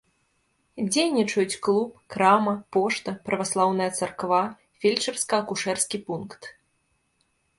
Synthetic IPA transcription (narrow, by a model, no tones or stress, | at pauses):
d͡zʲejnʲit͡ʂɐjut͡sʲklˠupkɾamɐpɔʂt̪ɐpɾɐvaslˠawn̪ɐjɐt̪sɐrkva | fʲilʲt͡ʂɐrskɐɐkuʂɛrskʲipunkt̪